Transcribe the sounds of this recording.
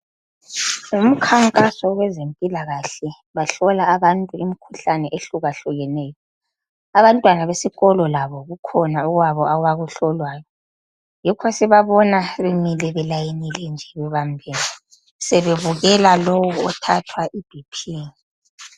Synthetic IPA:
um̩kʰaŋkʼasɔwɛzempʼilaɣaɬɛ | βaɬɔlaːβantʼuimikʰuɬanɛʔeɬuɣaɬuɣɛnɛːjɔ | aβantʼwanaβesiɣɔlɔlaβɔɣukʰɔnauɣwaβɔawaɣuɬɔlwaːjɔ | jɛkʰwasɛβaβɔnaβemilɛβɛlajenilɛnd͡ʒʱɛβɛβambʱiːli | sɛβeβuɣɛlalowɔɔtʰatʰwaʔib̥ʱipʰiːni

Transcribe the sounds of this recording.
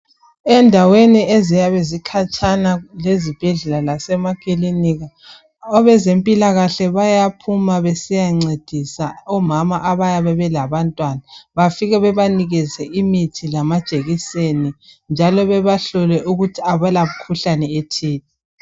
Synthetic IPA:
ɛndʱaweniezijaβezikʰat͡ʃʼanalezib̥ʱɛɮɛlalasɛmakʼiliniɣa | ɔβɛzempʼilaɣaɬɛβajapʰumaβesijaŋ͡ǀed̥ʱisaɔmamaʔaβajaβɛβɛlaβantʼwanaβafiɣɛβɛβaniɣizɛʔimitʰilamad̥ʒ̥ʱʼeɣiseni | nd͡ʒʱalɔβɛβaɬɔlɛʔuɣutʰiaβalamukʰuɬanɛetʰiːtʰɛ

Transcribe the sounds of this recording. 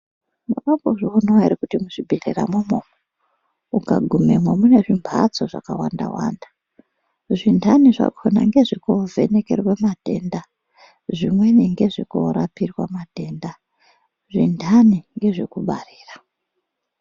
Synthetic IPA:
muramboʐounowaiɾikutimuʐibʱirira̰mumomo | ukaɡʱumemwamune̞ʐimbʱa̰t͡soʐa̰kawanda̰wa̰ːndḁ | ʐindʰʱaniʐa̰kʰona̰ŋɡe̞ʐikovʱe̞ne̞ke̞rwemadʱe̞nda | ʐimwe̞niŋɡe̞ʐiko̰ɾapirwa̰madʱe̞ːnda | ʐindʰʱaniŋɡe̞ʐe̞̰kuɓariːra

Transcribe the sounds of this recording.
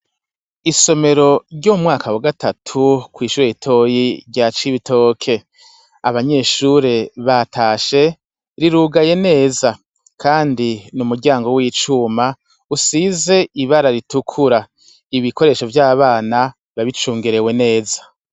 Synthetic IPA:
iso̞me̞ɾo̞ɾɟoumŋaːkawaɡatatʰukwiːʃuɾeitʰo̞ːjiɾɟat͡ʃiβito̞ːkʰe̞ | aβaɲe̞ːʃuɾe̞βatʰaːʃe̞ | ɾiɾuːɡaje̞ne̞ːza | kʰaːndinumuɾɟaːŋɡo̞wiːt͡ʃuma | usize̞iβaɾaɾitukʰuɾa | iβikʰo̞ɾe̞ʃo̞vjaːβaːna | βaβit͡ʃuːŋɡiɾe̞we̞ne̞ːzḁ

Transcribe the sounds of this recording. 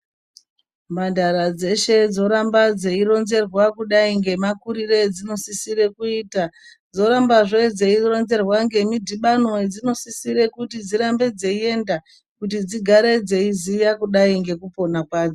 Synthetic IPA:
mandaɾad͡ze̞ʃe̞d͡zo̞ɾambad͡ze̞iɾo̞nze̞rwakuɗaiŋɡe̞makuɾired͡zino̞sisiɾe̞kuiːta | d͡zo̞ɾambaʐe̞d͡ze̞iro̞nze̞rwaŋɡe̞midʱiɓano̞ed͡zino̞sisiɾe̞kutid͡ziɾambe̞d͡ze̞ie̞nda | kutid͡ziɡʱaɾe̞d͡zeizijakuɗaiŋɡe̞kupo̞nakwaːd͡zo

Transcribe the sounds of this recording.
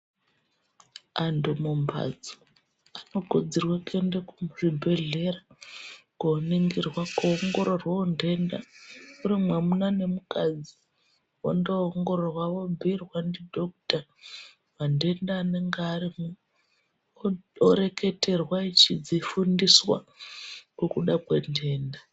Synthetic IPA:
andomumba̰d͡zo | ano̞ɡʱod͡zirwakʰendekuribʱe̞ɮe̞ɾa | koːniŋɡirwakoːŋɡo̞ɾorwaonde̞nda̰uɾimwamunane̞mukad͡zi | wo̰ndoːŋɡo̞ɾorwaʋo̞bʱirwandidʱok̚ta | ʋande̞ndaːne̞ŋɡeaɾimu | oɾe̞ke̞te̞rwait͡ʃid͡zifundiswa̰ | kokuɗakwende̞ːnda

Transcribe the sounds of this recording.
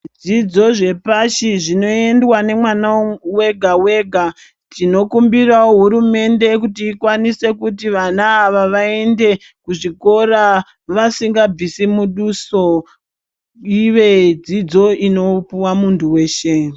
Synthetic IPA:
d͡zid͡zo̞ʐe̞paʃiʐino̞e̞ndwane̞mwanawe̞ɡʱawe̞ɡʱa | tino̞kumbirawoɦuɾume̞nde̞kutiːkwanise̞kutiʋanaːʋaʋae̞nde̞ | kuʐiko̞ra | ʋasiŋɡab͡visimuɗuso | iʋe̞d͡zid͡zo̞ino̞puwamuntʰuwe̞ːʃe

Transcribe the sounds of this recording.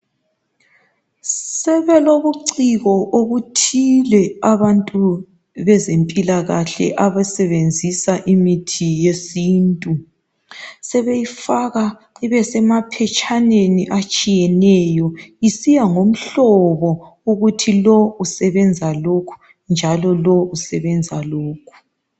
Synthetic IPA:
sɛβɛloβuǀiɣɔʔoβutʰilɛaβantʼu | βɛzempʼilaɣaɬɛ̰ʔaβasɛβend͡zʱisaʔimitʰijesiːntʼu | sɛβejifaɣa | iβɛsɛmapʰɛt͡ʃʼʰaneniʔat͡ʃʼijɛnɛjɔisijaŋom̩ɬɔβɔuɣutʰilɔusɛβɛnd͡zʱalokʰu̥ | nd͡ʒʱalɔlɔusɛβɛnd͡zʱaloːkʰu̥

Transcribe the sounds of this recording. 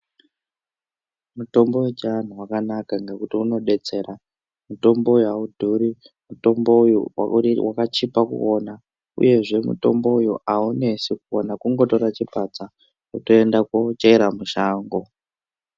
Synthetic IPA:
muto̞mbo̞wet͡ʃaan̤uwakanakaŋɡe̞kutiuno̞ɗe̞t͡se̞ɾa | muto̞mbo̞ujuaudʱuɾi | muto̞mbojuw̰wʔakat͡ʃipakṵo̞na | ṵje̞ʐe̞mṵto̞̰mbo̞ujuʔaune̞sikuonakuŋɡo̞to̞ɾat͡ʃipat͡sa | utoendakot͡ʃeiɾamuʃaːŋɡo̞

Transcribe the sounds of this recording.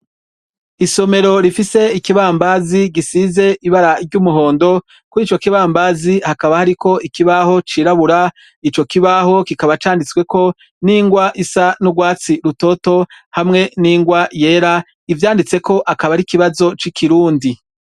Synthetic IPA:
iso̞me̞ɾo̞ɾifise̞ikiβaːmbaziɡisize̞ʔiβaɾaɾɟumuɦo̞ːndo̞ | kuɾiːt͡ʃo̞kiβaːmbaːzihakaβahaɾiko̞ʔikiβaho̞t͡ʃiːɾaβuɾa | it͡ʃo̞kiβaɦo̞kikaβat͡ʃaːndit͡swe̞ko̞ | niːŋɡwaʔisanuɡwaːt͡siɾuto̞ːto̞hamŋe̞niːŋɡwaje̞ːɾa | ivjaːndit͡se̞ko̞ʔakaβaɾikiβazo̞t͡ʃikʰiɾuːndi

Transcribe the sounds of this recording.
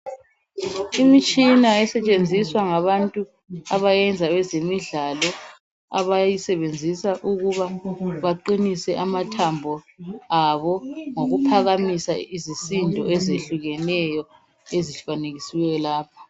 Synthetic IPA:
imit͡ʃʼinaɛsɛt͡ʃʼend͡zʱiswaŋaβantʼu | aβajɛnd͡zʱaβɛzemiɮalɔ | a̰βajisɛβend͡zʱisaʔuɣuβaβaǃinisɛʔamatʰambʱɔ | aβɔŋoɣupʰaɣamisa̰izisindʱɔ̰ɛzeɬuɣɛnɛjɔ | eziɬfaneɣisiwɛjɔlaːpʰɔ̥

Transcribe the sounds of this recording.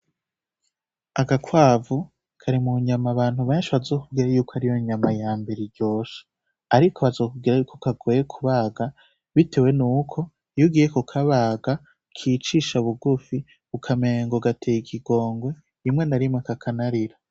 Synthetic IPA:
aɡakwaːvu | kʰaɾimuɲamaβaːn̥huβeːnʃiβazo̞ːkubɡiːɾajuːkoaɾijo̞ɲamajaːmbeɾiɾɟo̞ːʃḁ | aɾikʰoβazo̞ːkub̚ɡiːɾajukʰokaɡojekʰuβaːɡa | βitʰe̞we̞nuːkʰo̞ | juɡiːjekokʰaβaɡa | kʰiːt͡ʃiːʃaβuɡufi | βukʰame̞ŋɡo̞ɡatʰejikʰiɡo̞ːŋɡwe̞ | imŋe̞naɾimŋekakʰanaɾiɾa

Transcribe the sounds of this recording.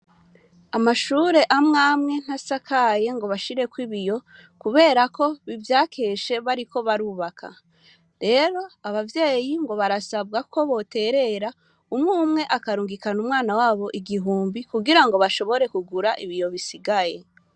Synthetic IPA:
amaʃuːɾe̞ʔamŋaːmŋe̞n̥hasakʰaje̞ŋɡo̞βaʃiɾe̞kwiβijo̞ | kuβe̞ːɾako̞βivjaːkʰe̞ʃe̞βaɾiko̞βaɾuːβakʰa̰ | ɾe̞ɾo̞aβavje̞ːjiŋɡo̞βaɾasab̚ɡakʰo̞βo̞te̞ːɾe̞ɾa | umŋuːmŋe̞ʔakaɾuːŋɡikanumŋaːnawaːβo̞ʔiɡiɦuːmbikuɡiɾaŋɡo̞βaʃo̞βo̞ɾe̞kuɡuɾaʔiβijo̞βisiɡaje̞

